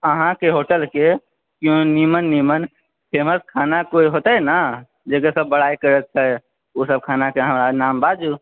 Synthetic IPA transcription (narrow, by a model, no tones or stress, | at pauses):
əɦãkeɦoʈəlke | kjõnimənːimən | pʰeməskʰanakoiɦot̪əna | d͡ʒekesəbːəɽaikəɾət̪̚t͡ʃʰɛ | osəb̚kʰanakeɦəmɾanambad͡ʒu